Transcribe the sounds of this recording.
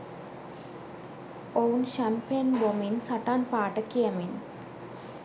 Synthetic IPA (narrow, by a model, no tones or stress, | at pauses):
ownɕampenbominsɐʈanpaːʈəkiəmin